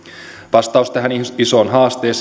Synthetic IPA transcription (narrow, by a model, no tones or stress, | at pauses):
ʋɑst̪ɑust̪æɦænisoːnɦɑːst̪eːs